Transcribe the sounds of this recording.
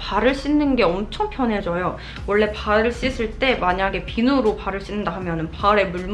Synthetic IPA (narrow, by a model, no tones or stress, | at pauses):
paɾɯɭɕ͈inːɯnɡe̞ʌmt͡ɕʰʌŋpʰjʌnɦe̞d͡ʑʌjo | wʌɭːe̞paɾɯɭɕ͈is͈ʰɯɭt͈e̞maɲaɡe̞pinuɾopaɾɯɭɕ͈inːɯndaɦamjʌnɯnpaɾe̞muɭm